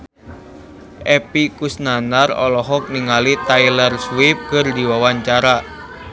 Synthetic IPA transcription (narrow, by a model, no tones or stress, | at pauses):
ʔɛpikusnanarɔ̰lɔɦɔk̚niŋalit̪ajlərswip̚kərdiwawaɲt͡ʃaɾa